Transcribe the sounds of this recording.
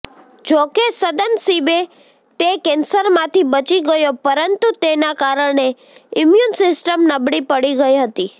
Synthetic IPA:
d͡ʒokesəd̪ənsibe | t̪ekɛnsəɾmãt̪ʰibət͡ʃiɡəjopəɾənt̪ut̪enakaɾəɳe | ɪmjunsɪsʈəmnəbɽipəɽiɡəiɦət̪i

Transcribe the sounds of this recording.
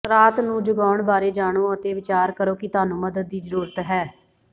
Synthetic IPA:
ɾaːt̪nũːd͡ʒʊɡaːʊɳbaːɾeːd͡ʒaːɽ̃oːət̪eːʋɪt͡ʃaːɾkəɾoːkit̪ʊaːnũːməd̪əd̪̚ːiːzəɾuːɾət̪ɦɛː

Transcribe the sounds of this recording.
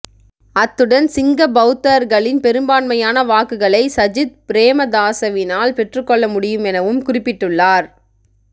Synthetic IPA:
ɐt̪ːɯɽɐnsɪŋɡɐbɐʊt̪ːɐɾɣɐɭɪnpɛɾɯmbaːnmɐjaːnɐʋaːkɯɣɐɭɐɪsɐd͡ʒɪt̪̚pɪɾeːmɐd̪aːsɐʋɪnaːlpɛʈrɯkːɔɭːɐmʊɽɪjɯmɛnɐʋɯmkʊrɪpːɪʈːɯɭːaːɾ

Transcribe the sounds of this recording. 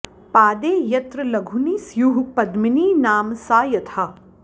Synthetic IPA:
paːd̪eːjɐt̪ɾɐlɐɡʱuniːsjuɦupɐd̪miniːnaːmsaːjɐt̪ʰaː

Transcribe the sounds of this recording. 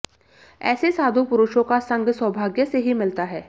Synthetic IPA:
ɛ̰ːsesaːd̪ʱupʊɾʊʃõkasɐ̃ŋɡʱswɐbʱaːɡjəseɦimɪlt̪aɦɛː

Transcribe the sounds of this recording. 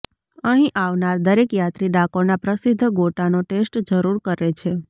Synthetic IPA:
əɦĩʔaʋnaɾd̪əɾekjat̪ɾiɖakoɾnapɾəsid̪ʱːɡoʈanoʈesʈd͡ʒəɾuɾkəɾet͡ʃʰe

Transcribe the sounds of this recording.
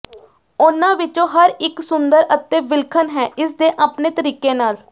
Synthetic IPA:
ʊnãːʋɪt͡ʃõːɦəɾɪksʊnd̪əɾət̪ːẽːbɪlkʰənɦɛːʔɪsd̪eːʔaːpneːt̪əɾiːkeːnaːl

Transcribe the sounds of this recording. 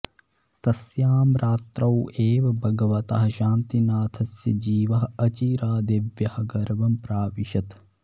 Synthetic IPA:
t̪ɐsjaːmɾaːt̪ɾɐweːʋɐbʱɐɡɐʋɐt̪ɐɦɐʃaːnt̪inaːt̪ʰɐsjɐd͡ʒiːʋɐɦɐɐt͡ʃiːɾaːd̪eʋjɐhɐɡɐɾʋɐmpɾaːʋiʃɐt̪

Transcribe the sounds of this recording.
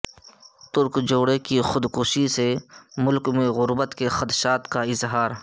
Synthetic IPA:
t̪ʊɾkd͡ʒoːɽekixʊd̪kʊʃisemʊlkmẽɣʊɾbət̪kexɐt̪ʃaːt̪kaɪzɦaːɾ

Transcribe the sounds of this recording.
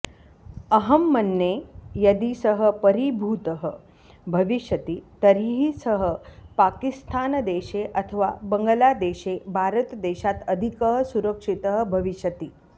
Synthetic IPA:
əɦəmːənːejɐd̪isəɦəpəɾibʱuːt̪əɦə | bʱəʋiɕjət̪iːt̪əɾiɦisəɦəpakist̪ʰand̪eɕeʔɐt̪ʰəʋa̰bəŋɡəlad̪eɕebʱaɾət̪d̪eɕat̪əd̪ʱikəɦəsuɾəkʂit̪əɦəbʱɐʋiɕjət̪iː

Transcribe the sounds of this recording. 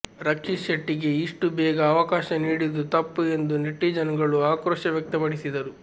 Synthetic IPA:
ɾɐkʂiɐʈːiɡe̞iʂʈubɛːɡɐːʋɐkaːʃɐniːɽid̪ut̪ɐpːue̞nd̪uneʈːiːd͡ʒɐnɡɐɭuaːkɾoːʃɐʋjɐk̚t̪ɐpɐɽisid̪ɐɾu

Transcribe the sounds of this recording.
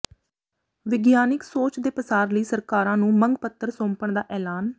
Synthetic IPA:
ʋɪɡjaːnɪksoːt͡ʃd̪eːpəsaːɾləiːsəɾkaːɾãːnũːməŋɡpət̪ːəɾsõːmpəɳd̪aːʔɛːlaːn

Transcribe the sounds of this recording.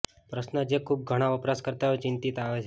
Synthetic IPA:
pɾəʃnəd͡ʒekʰub̚ɡʱəɽ̃aʋəpɾaskəɾt̪aot͡ʃɪnt̪it̪aʋet͡ʃʰ

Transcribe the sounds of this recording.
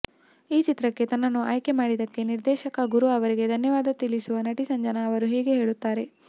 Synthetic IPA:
iːt͡ʃit̪ɾɐkːe̞t̪ɐnːɐnːuʔaːjke̞maːɽid̪ɐkːe̞niɾd̪ɛːʃɐkɐɡuɾuɐʋɐɾiɡed̪ʱɐnjɐʋaːd̪ɐt̪ilisuʋɐnɐʈisɐɲd͡ʒɐnɐːʋɐɾuɦɛːɡe̞ɦe̞ːɭut̪ːaːɾe̞

